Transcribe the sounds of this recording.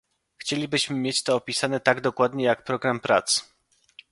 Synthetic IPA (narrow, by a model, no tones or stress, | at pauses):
xt͡ɕelʲibɘɕmɘmʲjet͡ɕt̪ɔːpʲisanɛt̪aɡd̪ɔkwad̪ɲɛjakpɾɔɡɾampɾa̰t̪s